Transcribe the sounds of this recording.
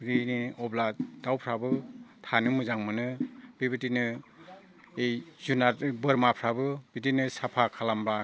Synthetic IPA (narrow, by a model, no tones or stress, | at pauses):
ɾiniɔbladawpʰɾabɯtʰanɯmɯzaŋmɯnɯbibitinɯ | ejzunatbɯɾmapʰɾabɯbitinɯsapʰakʰalamba